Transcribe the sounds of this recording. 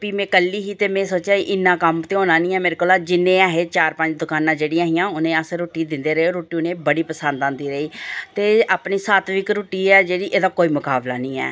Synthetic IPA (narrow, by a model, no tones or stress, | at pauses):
piːmɛ̃ːkəlːiːɦiːt̪eːmɛ̃ːsoːt͡ʃaːiʔɪnːãːkəmt̪eːoːnãːnĩːɛːmeːɾekoːlaːd͡ʒɪnːẽːaːɦeːt͡ʃaːɾpəɲd͡ʒd̪ʊkaːnãːd͡ʒeːɽijãːɦɪ̃jãːʊnẽːəsɾoːʈiːd̪ɪnd̪eːɾəeːoːɾoːʈiːʊnẽːbəɽiːpəsənd̪ãːnd̪iːɾəiːt̪eːaːpniːsaːt̪ʋiːkɾoːʈiːɛːd͡ʒeːɽiːʔeːd̪aːkoːiːmʊkaːbla̰ːnĩːɛ̰ː